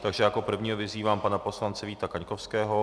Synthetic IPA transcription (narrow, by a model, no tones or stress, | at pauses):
t̪aɡʒɛjakopr̩vɲiːɦovɪziːvaːmpanaposlant͡sɛviːt̪akaɲkofskɛːɦo